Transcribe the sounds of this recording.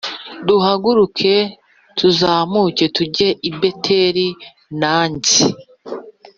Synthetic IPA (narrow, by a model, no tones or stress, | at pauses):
duhaɡuɾukʰe̞ | tʰuzaːmuce̞tuɟeʔibe̞tʰeɾi | naːɲzi